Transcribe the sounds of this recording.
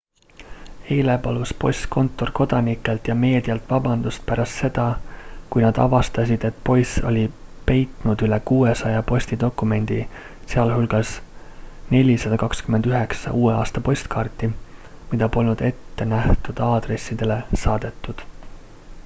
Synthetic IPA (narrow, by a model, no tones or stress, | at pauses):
e̞ːle̞pɑluspo̞sʲt̪ko̞nt̪ːˑo̞rko̞d̪̥ɑnikːˑe̞lt̪jɑme̞ːd̪̥iɑlt̪ːˑvɑbɑnd̪̥ust̪̚pæɾɑst̪se̞d̪̥ɑkujnɑd̪̥ɑ̰vɑst̪ɑsʲid̪̥e̞t̪ːˑpo̞jso̞̰lʲipe̞jt̪ˑnud̪̥yle̞kuːesɑjɑpo̞sʲt̪id̪̥o̞kːˑume̞nʲd̪̥i | seɑlɦulɡ̥ɑs | ne̞lʲisɑd̪̥ɑkɑkskymend̪yɦe̞ksɑ̰ʔuːeɑːst̪ɑpo̞sʲt̪kɑːrt̪ːˑimid̪̥ɑpo̞lnud̪̥e̞t̪ːe̞næht̪ud̪̥ɑːd̪re̞sːid̪e̞le̞sɑːd̪̥e̞t̪ˑːud̪̥